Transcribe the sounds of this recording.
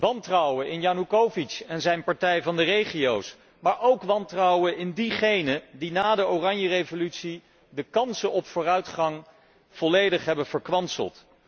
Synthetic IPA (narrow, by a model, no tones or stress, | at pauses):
ʋɑntrʌwənʔɪnjaːnukowvit͡ʃɛnzɛjnpɑɹtɛjvɑndərejχijows | maːɹʔowkʋɑntrɑwənɪndiχejnədinaːdəowrɑɲjərevolytsi | dəkɑnsəʔɔpfʊːrœɥtχɑŋ | v̥ɔlejdəχɦɛbənv̥əɹkʋɑnsə̰lˠt